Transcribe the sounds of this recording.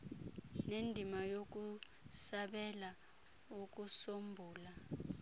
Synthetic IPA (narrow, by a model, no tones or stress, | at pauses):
nendʱimajok̬u | saɓɛla | uk̬ʼusombʱuːla